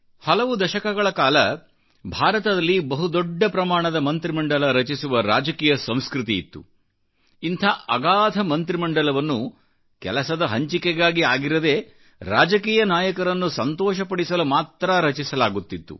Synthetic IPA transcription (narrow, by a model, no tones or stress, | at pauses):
hɐlɐʋud̪ɐʃɐkɐɡɐɭɐkaːlɐ | bʱaːɾɐt̪ɐd̪ɐlːibɐɦud̪ɔɖːɐpɾɐmaːɳɐd̪ɐmɐnt̪ɾimɐɳɖɐlɐɾɐt͡ʃisuʋɐɾa̰ːd͡ʒɐkiːjɐsɐ̃m̃skɾut̪iːt̪ːṵ | int̪ʰaːʔɐɡaːd̪ʱɐmɐnt̪ɾimɐɳɖɐlɐʋɐnːu | kɛ̰lɐsɐd̪ɐɦɐɲt͡ʃikɛɡaːɡiaːɡiɾɐd̪eː | ɾa̰ːd͡ʒɐkiːjɐnaːjɐkɐɾɐnːusɐnt̪ɔːʃɐpɐɽisɐlumaːt̪ɾɐɾɐt͡ʃisɐlaːɡut̪ːit̪ːṵ